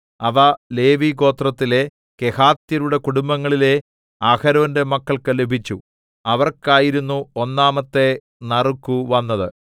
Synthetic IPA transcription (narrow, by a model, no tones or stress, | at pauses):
ɐʋɐle̞ːʋiɡo̞ːt̪rɐt̪ːile̞ | ke̞haːt̪jɐɾuɽe̞kuɽumbɐŋːɐɭile̞ | aːkɐɾonde̞mɐkːɐɭkɨle̞bʱit͡ɕːu | ɐʋɐrkaːjiɾunːuonːaːmɐt̪ːe̞ | nɐrukːuʋɐnːɐðɨ